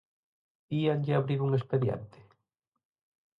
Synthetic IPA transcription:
ianʎɪaβɾiɾuŋespeðjḛnt̪ɪ̥

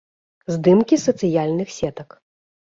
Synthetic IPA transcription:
zd̪ɨmkʲisɐt̪sɨjalʲnɨxsʲɛt̪ɐk

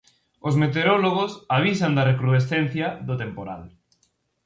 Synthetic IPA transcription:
osmet̪̬eɾɔloɣ̞osaβ̞isand̪ɐrekɾuðesθen̟θjɐðot̪empoɾa̰l

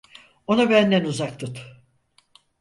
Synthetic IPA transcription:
o̞nabænd̪ɛnuzak̚t̪ɯt̪

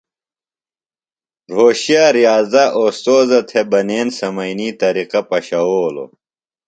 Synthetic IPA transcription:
ɾoːɕijaːɾijaːzɐʔoːst̪oːzɐt̪ʰebɐneːnsɐmɐiniːt̪ɐɾiqɐpɐɕɐoːlo̰

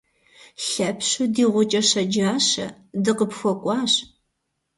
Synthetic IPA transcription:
ɬɐpʰɕʊdiːʁʷʊt͡ʃʼɐɕɐd͡ʒaːɕɐ̰ | dɨqəpxʷɔkʷʼɑːɕ

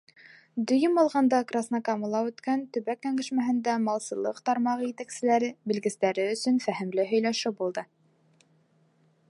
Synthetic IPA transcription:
d̪ɵ̆jɘmɑlˠʁɑnd̪ɑkrasnɑkɑmulˠɑʉt̪kænt̪ɵ̆βækːæŋɡɘ̆ʃmæɦɘ̆nd̪æmɑlˠsɤ̆lˠɤqt̪ɑɾmɑʁɤjɘt̪æksɘ̆læɾɘbɘ̆lɡɘ̆st̪æɾɘɵ̆sɵnfæɦɘ̆mlɘɦɵ̆jlæʃɘbulˠd̪ɤ

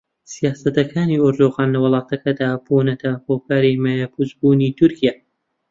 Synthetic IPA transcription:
sijaːsɐt̪ɐkʰaːnioɾd̪oɣaːnlɐwɨlˠɑːt̪ʰɐkɐd̪aːbonɐt̪ʰɐhoːkaːɾimajapʰuzbuːnit̪ʰʊɾkija

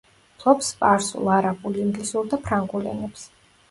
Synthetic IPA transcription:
pʰlˠɔpspʼaɾsṵlˠaɾabʼuliimɡlisuɾd̪apʰɾaŋɡulɛ̰nɛps

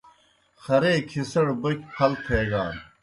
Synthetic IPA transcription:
xɐɾeːkʰisɐɽbɐkʲpʰɐlt̪ʰeːɡaːn

